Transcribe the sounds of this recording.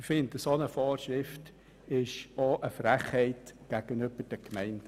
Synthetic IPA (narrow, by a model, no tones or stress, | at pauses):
fɪndəsonəfoːɾʃɾɪft | ɪʃoʔəfɾæχhɛɪtɡ̥æɡ̥ənʏb̥əɾd̥əkmɛɪnd̥ə